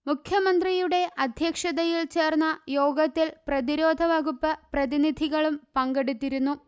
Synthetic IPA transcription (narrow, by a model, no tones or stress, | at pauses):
mukʰjɐmɐnd̪rijuɽe̞ʔɐd̪ʱjɐkʂɐðɐjilt͡ɕe̞ːrnːɐjo̞ːɡɐt̪ːilprɐðiɾo̞ːd̪ʱɐʋɐɣupːɐprɐðinid̪ʱiɣɐɭumpɐŋɡeɽut̪ːiɾunːu